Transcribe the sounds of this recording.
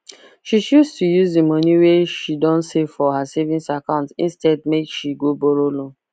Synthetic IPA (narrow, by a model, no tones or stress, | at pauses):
ʃiʃustujuzemɔniweʃidɔ̃nsefɔɦasevĩnsakãʊ̃ntḭ̃nstɛd̚mekʃiɡoboɾolɔ̃